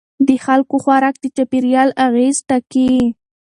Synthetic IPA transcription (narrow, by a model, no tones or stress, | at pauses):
d̪əxalkoxwaɾak̚d̪ət͡ʃapiɾjɑlaɣezʈaki